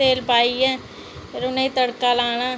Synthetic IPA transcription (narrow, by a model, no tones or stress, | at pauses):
eːlpaːiɛː | pʰɪɾʊnẽit̪əɽkalaːñaː